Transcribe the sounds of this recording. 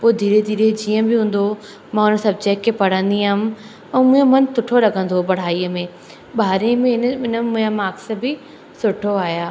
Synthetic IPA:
poːd̪ʱiːɾed̪ʱiːɾed͡ʑiːə̃bɪɦũːn̆d̪o | mãːʊnəsɐbt͡ɕeːkːepɐɽ̤ə̃nd̪iaːm̆ | ɛ̃ːmʊ̃ːẽmɐnt̪ʊʈʰolɐɡʱə̃nd̪obɐɽ̤aːiːəmẽ | ɓaːɾiə̃mẽnɪnəmʊ̃amaːks̆bɪ | sʊʈʰoaːjaː

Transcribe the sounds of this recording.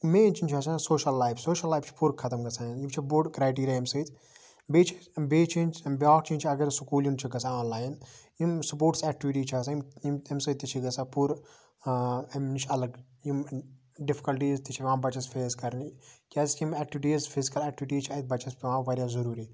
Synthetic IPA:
meːnt͡ʃint͡ʃʰɐs̬asoːʃɐlːaːjfsoːʃɐlːaːjft͡ʃʰi̥puɾkʰɐt̪ɐmɡɐsʰaːnjimt͡ʃʰiboɖkɾaːjʈiːɾʲjaɐmsɐjt̪ʰ | beːt͡ʃʰibeːt͡ʃʰint͡ʃbʲaːk̚t͡ʃʰinʲt͡ʃʰiɐɡɐɾsukuːljimt͡ʃʰiɡɐsaɔːnlaːjinjimsupoːɾʈsɛk̚ʈiʋiʈiːt͡ʃʰasajimjimemsɐt̪ːit͡ʃʰiɡɐsaːpuːɾ | emnit͡ʃʰɐlɐɡ | jim | ɖɪfi̥kɐlʈ̬iːzt̪it͡ʃʰipʲʋãːmbɐt͡ʃɐsfʰeːzkɐɾnikʲaːsimɛːk̚ʈiʋiʈiːzfʰizikɐlɛːk̚ʈiʋʈiːt͡ʃʰɐit̪̚bɐt͡ʃʰɐspiʋãːʋɐɾjaːzɐɾuːɾiː

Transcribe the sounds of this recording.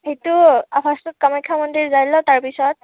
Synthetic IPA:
hejtuapʰastut̚kamɔkʰːamɔndiɹzajlɔtaɹpisɔt̚

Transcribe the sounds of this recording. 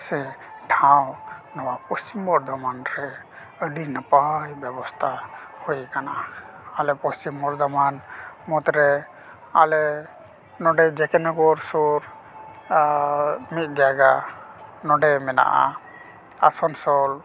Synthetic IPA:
sɛ | ʈʰawnɔwapɔst͡ʃimbɔɾd̪ʱɔmanɾɛ | əɖinəpajbjɛbɔst̪ʰahojkana | alɛpɔst͡ʃimbɔɾd̪ɔmanmɔt̪ɾɛ | a̰lɛ | nɔɖɛd͡ʒɛkɛnɔɡɔɾsoɾ | mit̪̚d͡ʒaɡa | nɔɖɛjmɛna̰ʔa̰ | a̰sɔnsɔl

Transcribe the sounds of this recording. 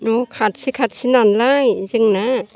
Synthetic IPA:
nokʰat̪̚sikʰat̪̚sinanlajt͡ɕɯŋna

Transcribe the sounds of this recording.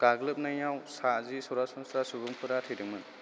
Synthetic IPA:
ɡ̥aɡlɯp̚najawsazisɔɾasɔŋsɾasubuŋpʰɯɾatʰɯjdɯŋmɯn

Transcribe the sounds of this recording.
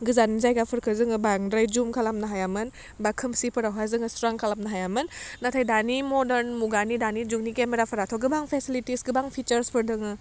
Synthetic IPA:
ɡɯzanizajɡapʰɯɾkʰɯzɯŋɯbaŋdɾajd͡ʒumkʰalamnaɦajamɯn | bakʰɯmsipɯɾawɦazɯŋɯstɾaŋkʰalap̚naɦajamɯnːatʰajdanimɔdeɾnmuɡanidanid͡ʒuknikemeɾapʰɯɾatʰɔɡɯbaŋpʰesilitisɡɯbaŋpʰit͡ʃəɾspʰɯɾdɯŋɯ

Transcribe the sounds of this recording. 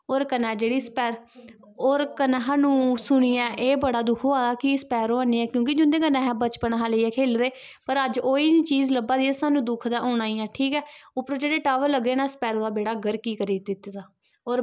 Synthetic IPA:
oːɾkənɛːd͡ʒeːɽiːspɛːɾ | oːɾkənaɦaːnũːsʊɳ̃iːɛːʔeːbəɽaːd̪ʊkʰoːaːd̪aːkɪspɛːɾoːaːniːɛːkjõːk̬ɪd͡ʒʊ̃nd̪ẽːkənaːɦɛːbət͡ʃpəɳɦaːləiːɛːkʰeːlʋeː | pəɾəd͡ʒoːiːniːt͡ʃiːzləbaːd̪iːɛsaːnũːd̪ʊkʰd̪ãːʔoːɽaːiːɛ̃ːʈʰiːkɛːʊpːəɾod͡ʒeːɽeːʈaːʋəɾləɡeːnãːsə̥pɛːɾoːd̪aːbeːɽaːɡəɾkiːkəɾiːd̪ɪt̪ːd̪aː | oːɾ

